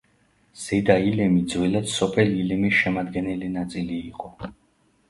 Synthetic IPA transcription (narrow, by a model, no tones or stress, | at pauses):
z̥ɛd̪ailɛmid̪zwɛlad̪sɔpʰɛlilɛmisʃɛmad̪ɡɛnɛlinat̪sʼiliːqʼɔ